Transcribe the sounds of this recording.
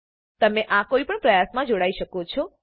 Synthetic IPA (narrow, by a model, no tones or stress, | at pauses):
t̪əmẽʔakoipəɳpɾəjasmãd͡ʒoɽaiʃəkot͡ʃʰɔ